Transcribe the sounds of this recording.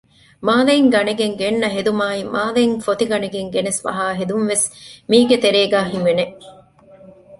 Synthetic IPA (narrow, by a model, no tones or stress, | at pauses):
maːlɐiŋɡɐneɡeŋɡenːɐɦed̪umaːimʔaːlɐiŋfot̪iɡɐneɡeŋɡenesʋɐ̰ɦaːɦed̪unʋesmiːɡet̪eɾeːɡæːɦimʋene